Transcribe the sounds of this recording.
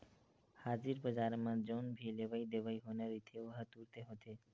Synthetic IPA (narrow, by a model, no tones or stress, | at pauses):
had͡ʒiɾbəd͡ʒaɾmad͡ʒɔnbʱilebajd̪eʋajɦonaɾit̪ʰeoɦat̪uɾt̪eɦot̪ʰe